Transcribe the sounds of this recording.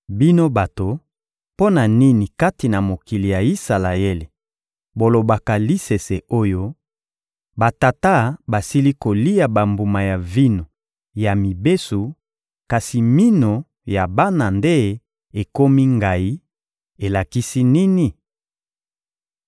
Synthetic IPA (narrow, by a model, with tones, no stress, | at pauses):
bi˦no˦ba˨to˨ | po˦na˨ni˦ni˨ka˦ti˨na˨mo˨ki˨li˨ja˨i˦sa˨la˨e˦li˨ | bo˨lo˨ba˨ka˨li˦se˨se˨o˦jo˦ | ba˨ta˨ta˦ba˨si˦li˦ko˨li˦ja˨ba˨mbu˨ma˨ja˨vi˦no˨ | ja˨mi˨be˦su˨ | ka˨si˨mi˦no˨ | ja˨ba˦na˨nde˦ | e˨ko˦mi˦ŋɡa˨i˦ | e˨la˨ki˦si˦ni˦ni˨